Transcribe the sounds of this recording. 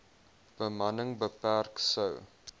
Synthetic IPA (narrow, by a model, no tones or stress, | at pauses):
b̥əmɐnəŋbəpærksəw